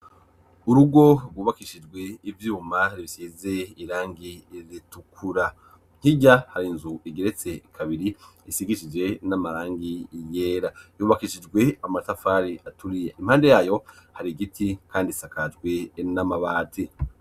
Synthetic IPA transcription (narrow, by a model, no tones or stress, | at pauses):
uɾuɡo̞ɾɡuːβakiʃid͡ʒɡwe̞ivjuːmaɾiβisiːze̞iɾaːŋɡizitukʰuɾa | ŋ̥hiɟahaɾinzuiɡeɾet͡se̞kʰaβiɾiisiɡiʃid͡ʒe̞namaɾaːŋɡijeːɾajuːβakiʃid͡ʒɡwe̞amatafaːɾiʔatʰuɾijeʔimhaːnde̞jaːjo̞haɾiɡitʰikʰaːndisakad͡ʒɡwenamaβaːtʰi